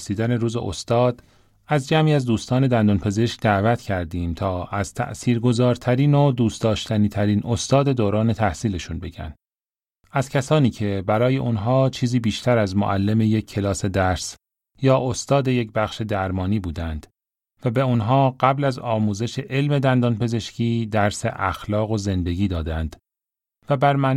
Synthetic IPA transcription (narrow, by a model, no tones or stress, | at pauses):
siːd̪æne̞ɾuːzḛʔo̰st̪ɒːd̪̥ | æzd͡ʒæmiːæzd̪uːst̪ɒːne̞d̪ænd̪onpʰe̞ze̞ʃk̚d̪ævæt̪ʰcʰæɾd̪iːmt̪ʰɒːæz̥t̪ʰæ̰ʔsiːɾɡo̞zɒːɾt̪ʰæɾiːnod̪uːst̪ɒːʃt̪ʰæniːt̪ʰæɾiːnʔo̞st̪ɒːd̪e̞d̪oːɾɒːne̞t̪ʰæhsiːle̞ʃunbe̞ɟæ̰nd̪ | æz̥cʰæsɒːniːcʰe̞bæɾɒːje̞ʔunɦɒːt͡ʃʰiːziːbiːʃt̪ʰæɾæzmo̰ʔælːe̞me̞jekcʰːe̞lɒːse̞d̪æɾs | jɒːʔost̪ɒːd̪e̞je̞cbæxʃe̞d̪æɾmɒːniːbuːd̪ænd̪̥ | væbe̞unɦɒːɢ̥æblæzɒːmuːze̞ʃe̞ʔe̞lme̞d̪ænd̪ɒːnpe̞ze̞ʃcʰiːd̪æɾse̞̰ʔæxlɒːɣo̞ze̞nd̪e̞ɟʲiːd̪ɒːd̪ænd̪̥ | væbæɾmæn